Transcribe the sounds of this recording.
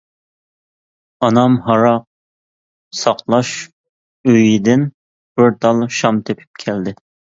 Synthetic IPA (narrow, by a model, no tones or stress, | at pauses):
ɑnɑmɦɑɾɑq̚ | sɑqlˠɑʃ | øjid̪ɪn | b̥ɪɾt̪ʰɑlˠʃɑmt̪ʰepʰɪ̥p̚kʲʰɛld̪ɪ